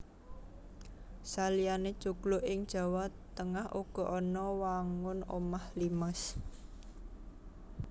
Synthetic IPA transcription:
salijaned̥ʒ̥o̤ɡ̥lʊʔɪŋd̥ʒ̥ä̤wat̪ːəŋahʔuɡ̥ɔ̤ʔɔnɔwaŋʊno̰mahliməs

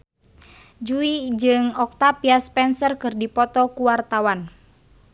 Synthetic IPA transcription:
d͡ʒuid͡ʒɨŋɔk̚t̪apiaspɛnsərkɨrdipɔt̪ɔkuwart̪awan

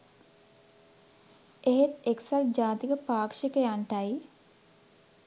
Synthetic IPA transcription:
eɦet̪eksald͡ʒaːt̪ikəpaːkʂikəjaɳʈaj

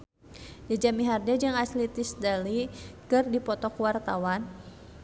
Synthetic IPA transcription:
d͡ʒad͡ʒamiɦardad͡ʒɨŋaslit̪ɪsdalikɨrdipɔt̪ɔkwart̪awan

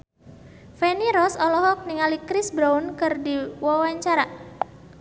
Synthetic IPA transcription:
fɛniɾɔsɔlɔɦɔk̚niŋalikɾɪsbɾaunkɨrdiwɔwaɲt͡ʃaɾa

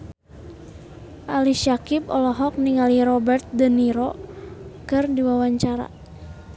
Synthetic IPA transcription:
ʔaliʃakip̚ɔ̰lɔɦɔk̚niŋaliɾɔbərt̪̚dəniɾɔ | kɨrdiwawaɲt͡ʃaɾa̰

